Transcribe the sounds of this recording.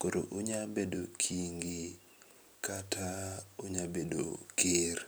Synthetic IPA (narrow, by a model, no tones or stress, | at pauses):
koɾo̰ʔʊɲabedokʰiŋɡi | katʰaʊɲabedo̰kɪr